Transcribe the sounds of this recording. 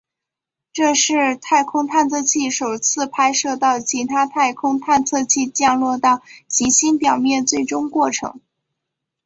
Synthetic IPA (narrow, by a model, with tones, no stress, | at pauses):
ʈ͡ʂɤ˥˧ʂɻ̩˥˧t̪ʰa˥˩ɪkʰʊ˥ŋt̪ʰa˥˧nt͡sʰɤ˥˧t͡ɕʰi˥˩ʂo˨˩ʊt͡sʰɹ̩˥˧pʰa˥ɪʂɤ˥˧t̪ɑ˥˩ʊt͡ɕʰi˧˥t̪ʰa˥t̪ʰa˥˩ɪkʰʊ˥ŋt̪ʰa˥˧nt͡sʰɤ˥˧t͡ɕʰi˥˧t͡ɕjɑ˥˧ŋlwɔ˥˧t̪ɑ˥˩ʊt͡ɕi˧˥ɕi˥npjɑ˨˩ʊmjɛ˥˧nt͡swe˥˩ɪʈ͡ʂʊ˥ŋkwɔ˥˩ʈ͡ʂʰɤ̰˧˥ŋ